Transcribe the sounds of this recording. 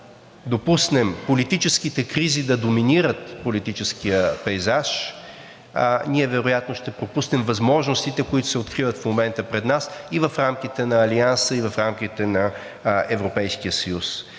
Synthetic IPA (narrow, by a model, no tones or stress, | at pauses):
d̪opusnɛmpolit̪it͡ʃɛskit̪ɛkɾizid̪ɐd̪ominiɾət̪polit̪it͡ʃɛskijəpɛjzaʃ | niɛvɛɾojat̪noʃt̪ɛpɾopusnɛmvɐzmɔʒnost̪it̪ɛkoit̪ʊ̥sɛot̪kɾivət̪fmomɛnt̪əpɾɛd̪nasivəfɾamk̟it̪ɛnɐːliansəivɐfɾamk̟ʲit̪ɛnɐ | ɛvɾopɛjskijəsəjus